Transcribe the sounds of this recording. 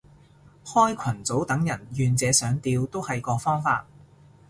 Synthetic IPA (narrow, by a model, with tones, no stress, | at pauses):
hɔː˥jkʷʰɐ˨˩nt͡so˨˥wt̪ɐ˨˥ŋjɐ˨˩njyː˨nt͡sɛː˨˧sœː˨˥ŋt̪iː˧wt̪o˥whɐ˨jkɔː˧fɔː˥ŋfaː˧t̚